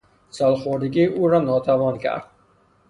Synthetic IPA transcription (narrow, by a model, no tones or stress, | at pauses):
salχoɾiɡiʔuːɾɔnɔːt̪ʰavɔnkʰa̰ɾd̪